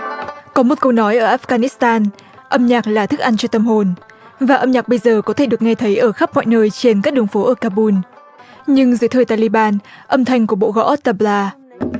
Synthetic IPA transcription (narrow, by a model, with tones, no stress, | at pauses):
kɔ˨˦mo˨˩t̚kə˧wnɔ˨˦jʔəː˧˩ʔaː˦˥fɣaː˧ni˦˥st̪aː˧n | ʔə˧mɲaː˨˩k̚laː˨˩t̪ʰɨ˦˥k̚ʔa˧nt͡ɕɔ˧t̪ə˧˩mɦo˨˩n | vaː˨˩ʔə˧mɲaː˨˩k̚ɓə˧jzəː˨˩kɔ˨˦t̪ʰe˧˩ɗɨ˨˩ək̚ŋa˧jt̪ʰə˨˦jʔəː˧˩xa˦˥p̚mɔ̰˧˨jnəː˧jt͡ɕe˧nkaː˦˥k̚ɗɨ˨˩əŋfo˨˦ʔəː˧˩kaː˧ɓu˧n | ɲɨ˧ŋzɨ˨˦t̪ʰəː˨˩jt̪aː˧li˧ɓaː˧nʔə˧mt̪ʰa˧jŋ̟ku˧˩əɓo̰˧˨ɣɔ̰˧˦ʔ̚t̪aː˧˩blaː˧